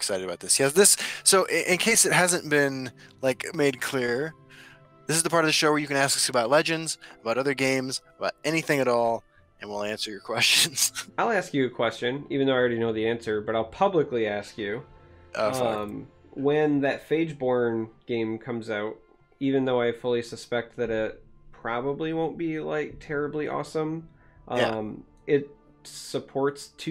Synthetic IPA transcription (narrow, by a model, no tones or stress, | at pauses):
ɪksaɪɾɨɾɨbaʊt̪̚ðɪsjæsðɪsːoʊʔɪʔɪ̃nkʰeɪsɨt̚ɦæzɨ̃nb̥ɪ̃nlaɪkmeɪd̚kʰl̥ɪɹ | ðɪsɨzðəpʰɑɹɾʌvðɨʃoʊwə˞jɨkɨ̃ñæskʌ̥sɨbaʊtˡlɛd͡ʒɨ̃ndz̥əbaʊɾʌðə˞ɡẽɪ̃mzəbaʊɾɛñiθɪ̃ŋɨɾɔlˠ | ɨ̃nwilˠæ̃nsə˞jə˞kʰw̥ɛst͡ʃɨ̃nz̥aɪlˠæskjɨɨkʰw̥ɛst͡ʃɨ̃nivɨn̩ðoɪɹɛɾinoʊðiæ̃nsə˞bʌɾaɪlˠpʰʌbləkliæskjʉ | ʌ̃m | wɨ̃nðɨtfeɪd͡ʒbɔɹnɡ̥ẽɪ̃mkʰʌ̃mzaʊt̚ | ivɨ̃nðoʊaɪfʊlˠisɨspɛk̚t̪̚ðɨɾɪt̚pʰɹ̥ɑbəbliwõʊ̃nb̥ila̰ɪk̚tʰɛɹɨbliʔɔ̰sə̃m | ʔʌ̃m | ʔɪt̚ | səpʰɔɹtstʰ